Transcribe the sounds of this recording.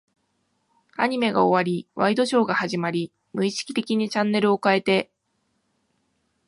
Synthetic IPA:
a̰ɲ̟ime̞ɡa̰o̞βaɾʲiβaid̪o̞ɕo̞ːɡahaʑimaɾʲi | mɯ̟iɕi̥kʲi̥t̪e̞kʲiɲ̟it͡ɕãnːe̞ɾɯ̟o̞kae̞t̪e̞

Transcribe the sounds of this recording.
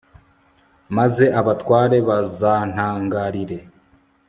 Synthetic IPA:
maze̞ʔaβatwaːɾe̞βazaːn̥haːŋɡaɾiɾe̞

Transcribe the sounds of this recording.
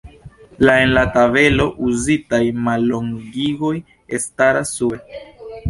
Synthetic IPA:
laenlatabe̞lo̞ʔuzitajmalːo̞ŋɡiɡo̞j | estaɾasːue

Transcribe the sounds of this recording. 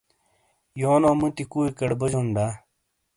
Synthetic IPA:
joːnõːmɨt̪ikuːikɐɽbɐd͡ʑonɖaː

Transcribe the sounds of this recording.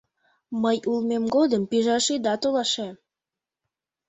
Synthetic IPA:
məjulmemɡod̪əmpiʒɑʃid̪ɑt̪olɑʃem

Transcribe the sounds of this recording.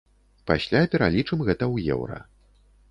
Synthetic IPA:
pasʲlʲapʲɛɾalʲit͡ʂɨmɣɛt̪ɐwjɛ̰wɾɐ̰

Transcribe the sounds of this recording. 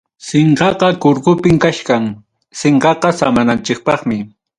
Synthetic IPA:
seɴqɑqɑkʊɾkʊpɪmkaʃkaŋ | seɴqɑqɑsamanant͡ʃɪk̚pɑχmɪ

